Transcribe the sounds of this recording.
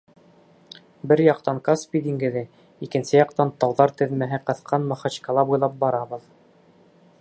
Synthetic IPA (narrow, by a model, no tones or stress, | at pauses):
bɘɾjɑq̚t̪ɑŋkaspʲid̪iŋɡɘ̆ðɘ | ikɘ̆nsɘjɑqt̪ɑnt̪ɑwðɑɾt̪ɘ̆ðmæɦɘqɤ̆θqʰɑnmɑχɑt͡ɕkɑlˠɑbujlˠɑp̚bɑɾɑβɤ̆ð